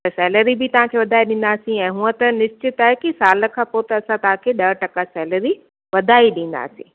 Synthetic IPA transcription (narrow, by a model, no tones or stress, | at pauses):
t̪ɐsɛːləɾibɪt̪ɐʋ̤ãkʰeːʋɐd̪ʱaːiɗɪ̃nd̪aːsĩɛ̃ːɦuːə̃t̪ɐnɪst͡ɕɪt̪aːɦekisaːlə̆kʰãpot̪ɐɐsãt̪ɐʋ̤ãkʰeɗɐɾʈɐkasɛːləɾi | ʋɐd̪ʱaːiɗĩːn̆d̪a̰ːsḭ̃ː